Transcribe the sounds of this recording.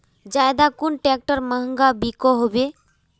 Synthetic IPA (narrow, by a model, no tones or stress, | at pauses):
d͡ʒaːjd̪akʊnʈɛːk̚ʈəɾməɦə̃ŋɡabikoɦobe